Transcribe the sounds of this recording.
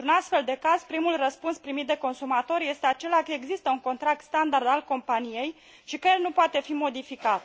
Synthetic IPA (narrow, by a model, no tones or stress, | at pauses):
nɾunast̪fe̞ld̪e̞kaz̥pɾimulrəspunspɾimit̪̚d̪e̞ko̞nsumat̪o̞ɾje̞st̪e̞at͡ʃe̞lakəeɡzist̪əuŋko̞nt̪ɾak̚t̪st̪and̪ard̪alko̞mpanije̞j | ʃikəjelnupoat̪e̞fimo̞d̪ifikat̪